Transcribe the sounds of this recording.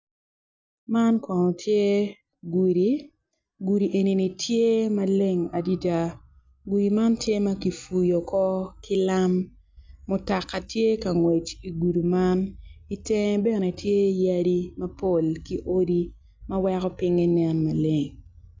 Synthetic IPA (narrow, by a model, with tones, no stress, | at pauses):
ma˦nkɔ˨nɔ˨tʰje˦ | ɡu˨ɾi˦ | ɡu˨ɾi˨ʔe˨ni˨ni˨tʰje˦ma˦le˦ŋa˨di˦da˦ | ɡu˨ji˨ma˦ntje˦ma˦ki˨fu˨jo˨kɔ˦kɪ˦la˦mː | ʊ˨ta˨kːa˨tje˦ka˨ŋwe˨t͡ʃi˨ɡu˨du˨ma˦ni˦te˦ŋ˦bɛ˦nɛ˨tʰje˦ja˦di˦mɐ˦po˨lki˦ʔo˦di˦ | mɐwɛ˦kɔ˦pɪ˦ŋe˦nɛ˦nma˨le˨ŋ